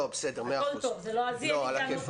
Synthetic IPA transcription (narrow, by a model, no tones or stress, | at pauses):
obesed̪eʁmealt̪ovzeloazioalakev